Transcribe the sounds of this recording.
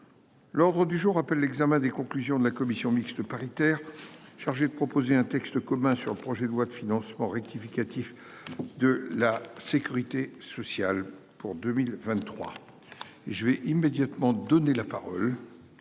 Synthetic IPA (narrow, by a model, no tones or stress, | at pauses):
lɔʁd̪ʁəd̪yʒuʁːapɛlːɛɡzamɛ̃d̪ekɔ̃klyzjɔ̃d̪əlakɔmisjɔ̃miksd̪əpaʁit̪ɛːʁʃaʁʒed̪əpχɔpozeɛ̃t̪ɛkst̪əkɔmɛ̃syʁləpχɔʒɛd̪əlwad̪əfinɑ̃smɑ̃ʁɛk̚t̪ifikʲat̪if | d̪əlasekʲyʁit̪esɔsjal | puʁd̪ømilvɛ̃t̪ːχwa̰ | eʒəvɛʔimed̪jat̪mɑ̃d̪ɔnelapaʁɔl